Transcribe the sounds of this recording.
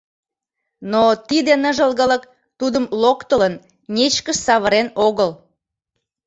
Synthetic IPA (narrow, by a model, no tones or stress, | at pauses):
not̪id̪enəʒəlɣələk | t̪ud̪əmlokt̪ələn | nʲet͡ɕkəʃsɑβəɾenoɣəl